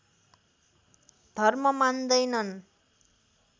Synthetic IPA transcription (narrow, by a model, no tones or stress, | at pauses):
d̪ʱʌrmʌmand̪ʌjnʌn